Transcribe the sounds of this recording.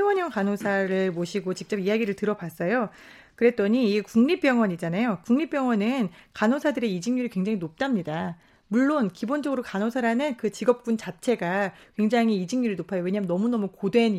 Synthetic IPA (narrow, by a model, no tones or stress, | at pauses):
wʌɲʌŋkanosʰaɾɯɭmoɕʰiɡot͡ɕik̚t͡ɕ͈ʌpijaɡiɾɯɭtɯɾʌbas͈ʌjo | kɯɾe̞t͈ʌɲiːkuŋɲip͈jʌŋwʌɲid͡ʑanajokuŋɲip͈jʌŋwʌnɯnkanosʰadɯɾe̞id͡ʑiŋɲuɾikwe̞ŋd͡ʑaŋɦinop̚t͈amɲida | muɭːonkibond͡ʑʌɡɯɾokanosʰaɾanɯnkɯt͡ɕiɡʌp̚k͈unt͡ɕat͡ɕʰe̞ɡakweŋd͡ʑaŋiid͡ʑiŋɲuɾiɭnopʰajowe̞ɲamnʌmunʌmukodwe̞n